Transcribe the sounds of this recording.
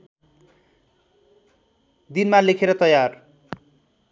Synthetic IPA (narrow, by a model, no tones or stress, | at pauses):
d̪inmalekʰeɾʌt̪ʌjar